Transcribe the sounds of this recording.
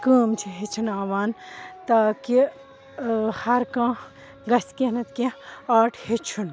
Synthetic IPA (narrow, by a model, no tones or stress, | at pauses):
kəːmt͡ʃʰiɦet͡ʃʰunaːʋaːnt̪aːki | hɐɾkãː | ɡɐskenɐt̪kẽaːʈʰhet͡ʃʰun